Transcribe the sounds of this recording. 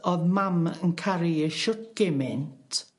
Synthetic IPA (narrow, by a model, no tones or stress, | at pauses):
ɔðmamənkʰaɾiəʃʊt̚ɡ̥emɪntʰ